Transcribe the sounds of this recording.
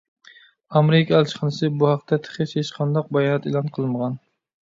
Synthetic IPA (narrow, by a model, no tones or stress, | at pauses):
ɑmeɾɪkʲʰɑælt͡ʃχənɨsɨbuhɑq̚t̪ʰɛt̪ʰə̥χɪʃhet͡ʃqʰɑnd̪ɑq̚bɛjɑːnɛt̪elˠɑnqʰəlˠməʁɑn